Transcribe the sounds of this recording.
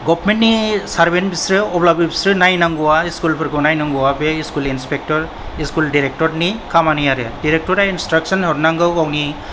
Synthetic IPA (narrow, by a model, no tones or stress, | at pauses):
ɡɔbʰmentnisaɾbenbisɾɯɔblabibisɾɯnajnaŋɡɔwaiskulpʰɯɾɡɯwnajnaŋɡuwabeiskulinspek̚tɔɾ | iskuldiɾek̚tɔɾnikʰamanijaɾediɾek̚tɔɾainstɾaksɔnhɔɾnaŋɡɯwawni